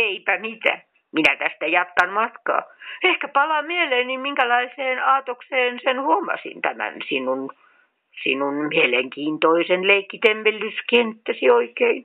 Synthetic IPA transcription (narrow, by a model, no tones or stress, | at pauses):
eipæmit̪æ̰ | minæt̪æst̪æjɑt̪kɑnmɑt̪kɑ̰ːehkæpɑlɑmieleːnnimmiŋkælɑiseːnɑːt̪okseːnsenhuomːɑ̰sḭnt̪æmæ̰nsinun | sinunmieleŋkiːnt̪oisenleikːit̪empelːyskent̪ːæsioikein